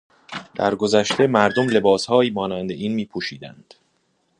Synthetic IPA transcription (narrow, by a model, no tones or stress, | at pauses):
d̪̥æɾɡo̞zæʃt̪ʰe̞mæɾd̪omle̞bɒːshɒːiːmɒːnænd̪eʔiːnmiːpʰuːʃiːd̪æ̰nd̪̥